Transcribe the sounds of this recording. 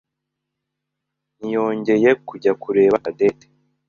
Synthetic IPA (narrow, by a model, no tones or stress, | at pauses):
nijo̞ːɲɟe̞je̞kuɟakuɾe̞ːβakade̞ːte̥